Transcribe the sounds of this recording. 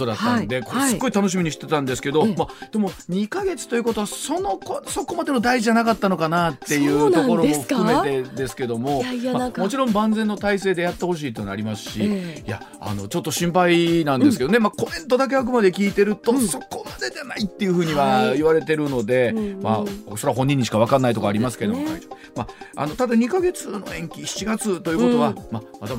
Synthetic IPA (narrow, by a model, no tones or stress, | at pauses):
od̪at̪ːand̪e̞kossɨɡo̞it̪ano̞ɕ̬imiɲ̟iɕi̥t̪e̞t̪ãnd̪e̞sɨ̥ke̞d̪o̞mad̪̥e̞mo̞ɲ̟ikaɡe̞t͡sɨ̥t̪o̞jiɯ̟ko̞t̪o̞βasonokoso̞ko̞mad̪e̞no̞d̪aiʑiʑanakat̪ːano̞kanat̪ːe̞jɯ̟ːo̞ko̞ɾo̞moɸɯ̥kɯ̟me̞e̞d̪e̞sɨ̥ke̞d̪o̞mo̞mamo̞t͡ɕiɾõ̞mbãnd͡zẽ̞nːo̞t̪aiseːd̪e̞jat̪ːeho̞ɕ̬iːt̪oena̰ɾʲimasɨ̥ɕija̰ | a̰no̞t͡ɕo̞t̪ːo̞ɕĩmpainãnd̪esɨ̥ke̞d̪onemako̞mẽ̞nt̪od̪ak̬e̞ak̬ɯ̟mad̪e̞kʲiːt̪e̞ɾɯ̟t̪o̞so̞ko̞mad̪e̞danait̪ːe̞jɯ̟ɸɯ̟ːɲ̟iβaiβaɾe̞t̪e̞ɾɯ̟no̞d̪e̞ma̰soɾɦõ̞ɲ̟ːĩɲ̟ːiɕi̥kaβakãnːait̪o̞kaːɾʲimasɨ̥ke̞d̪omo | maa̰no̞t̪ad̪aɲ̟ikaɡe̞t͡sɨno̞̰ẽ̞ŋkʲiɕi̥t͡ɕiɡat͡sɨt̪ojɯ̟ːkot̪o̞βamamat̪a